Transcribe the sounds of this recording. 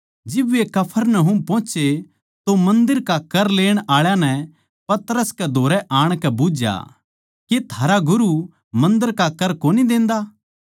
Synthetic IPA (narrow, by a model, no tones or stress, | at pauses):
d͡ʒɪbʋekɐpʰəɾnəɦʊmpɔ̃ːt͡ʃe | t̪omɐ̃nd̪əɾkakɐɾleːɽ̃aːɭjãnɛ̃ | pɐt̪əɾəskɛd̪ʱoːɾɛʔaːɽ̃kɛbud͡ʒja̰ | ket̪ʰaːɾaɡʊɾu | mɐ̃nd̪əɾkakɐɾkoːnid̪ẽːnd̪aː